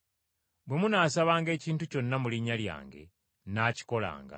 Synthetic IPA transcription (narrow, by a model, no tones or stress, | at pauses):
bwe̞munaːsaβaːŋɡe̞ːciːntuco̞nːamuliɲalja̰ːŋɡe̞̰ | naːci̥ko̞la̰ːŋɡa̰